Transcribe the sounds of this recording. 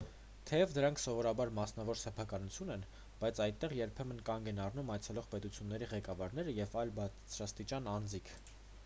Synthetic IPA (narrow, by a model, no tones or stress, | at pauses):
t̪ʰɛjɛvd̪əɾɑŋkʰsɔvɔɾɑbɑɾmɑsn̪ɑvɔɾsɛpʰɑkɑnut͡sʰjunɛn | b̥ɑjt͡sʰɑjt̪ːɛʁjɛɾpʰɛmənkɑŋɡɛnɑrnumɑjt͡sʰɛlɔʁpɛt̪ut͡sʰjunːɛɾiʁɛkɑvɑɾnɛɾəjɛvɑjlbɑt͡sʰɾɑst̪it͡ʃɑnɑnd͡zikʰ